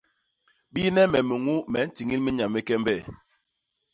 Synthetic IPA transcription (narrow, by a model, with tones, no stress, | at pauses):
ɓi˦nɛ˦mɛ˨mə˨ŋu˦mɛ˨n̩˦ti˨ŋi˦lmi˦ɲa˨me˦kɛ˦m˦bɛ˦˨